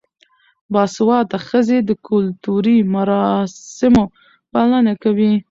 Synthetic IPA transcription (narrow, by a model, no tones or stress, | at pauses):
bɑswɑt̪axəzed̪əkʰʊlt̪uɾimaɾɑɪmo | palənakawi